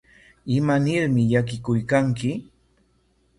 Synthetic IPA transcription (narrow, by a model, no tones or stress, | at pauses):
ɪmanɪɾmɪʎak̬ɪkʊjkaŋkɪ